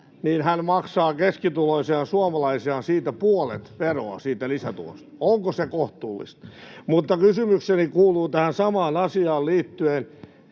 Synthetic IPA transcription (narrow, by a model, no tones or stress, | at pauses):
niːnhænmɑksɑːkeskit̪uloisiɑnsuɑmɑlɑisiɑnsiːt̪æpuolḛt̪ʋero̰ɑ̰siːt̪ælisæt̪ṵo̰st̪ɑ̥oŋkosekoht̪uːlːḭst̪mut̪ːɑkysymyksenikuːluːt̪æhænsɑmɑːnɑsiɑːlliːt̪ːyen